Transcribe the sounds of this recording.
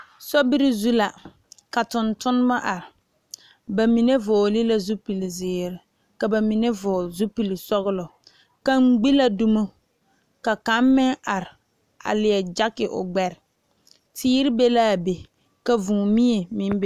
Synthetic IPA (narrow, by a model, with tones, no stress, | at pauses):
sɔ˦bɪ˦ɾɪ˦zu˦la˨ | ka˨tʊ˨ntʊ˦n˦ma˦ʔa˨ɾɪ˨ | ba˨mi˨ne˦vʊ˨lɪ˦la˦zu˦pi˨lzɪː˨ɾɪ˨ | ka˨ba˨mi˨ne˦vʊː˨zu˦pi˨li˨sɔ˦ɣʊ˦lʊ˨ | ka˦ŋ͡m̩˦ɡ͡bi˦la˨du˦mo˦ | ka˨ka˦m˦mɪ˦ŋa˨ɾɪ˨ | a̰˨lɪ˨ɛ˨d͡ʒa˦kɪ˨ʔʊ̰˨ɡ͡bɛ˨ɾɪ˨ | tʰiː˦ɾɪ˦be˦la˦˨be˨ | ka˨vũ˨mi˦e˨mɪ˨˦m˦b